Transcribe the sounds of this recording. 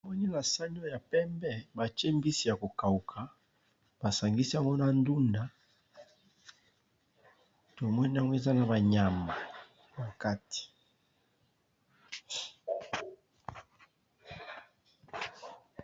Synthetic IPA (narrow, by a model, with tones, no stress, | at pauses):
mɔ˦ni˦na˨sa˦n˦o˦ja˨pɛ˦mbɛ˦ba˨t͡ʃe˦mbi˦si˨ja˨ko˨ka˨u˨kʰa˨ | b̥a˨sa˨ŋɡi˦si˦a˦˨ŋɡo˦na˨ndu˦nda˨ | to˨mɔ˦ni˦a˦ŋɡo˦e˦˨za˦na˨ba˨ɲa˨ma˨ | na˨ka˦ti̥˨